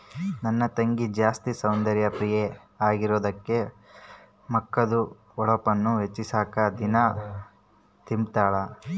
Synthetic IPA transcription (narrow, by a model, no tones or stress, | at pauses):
nɐnːɐt̪ɐŋɡid͡ʒaːst̪isɐwnd̪ɐɾjɐpɾije | aːɡiɾoːd̪ɐkːe̞ | mɐkːɐd̪u | ɔɭɐpɐnːuɦet͡ʃːisaːkɐd̪inɐ | t̪impt̪aːɭɐ